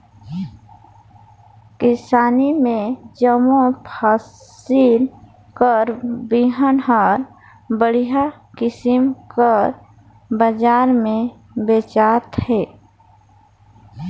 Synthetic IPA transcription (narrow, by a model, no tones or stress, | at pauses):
kɪsaːnimẽd͡ʒəmopʰaːsil | kəɾbiɦənɦaɾ | bəɽija | kɪsɪmkəɾ | bəd͡ʒaːɾmẽ | beːt͡ʃaːt̪hɛː